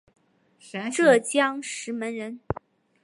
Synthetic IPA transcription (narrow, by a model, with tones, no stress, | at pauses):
ʈ͡ʂɤ˥˩t͡ɕjɑ˥ŋʂɻ̩˧˥mə˧˥nɻə˧˥n